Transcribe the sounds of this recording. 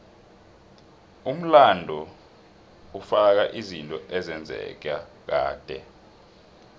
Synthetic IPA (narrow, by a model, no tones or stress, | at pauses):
um̩landʱɔ | ufak̬aʔizintʼɔʔɛzɛnd͡zʱɛ̰k̬a | k̬aːd̥ʱɛ